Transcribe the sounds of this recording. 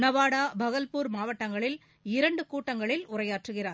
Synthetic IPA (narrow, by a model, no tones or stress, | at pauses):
nɐʋaːɽaːbʱɐɣɐlpuːɾmaːʋɐʈːɐŋɡɐɭɪl | ɪɾɐɳɖɯkuːʈːɐŋɡɐɭɪlʊrɐjaːʈrɯɣɪraːɾ